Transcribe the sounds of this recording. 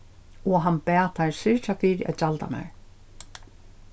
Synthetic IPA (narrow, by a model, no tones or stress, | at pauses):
ɔɦanpɛːt̪ʰaɹsɪɹt͡ʃafiːɾɪa̰ðt͡ʃalt̪a̰mɛ̰ɹ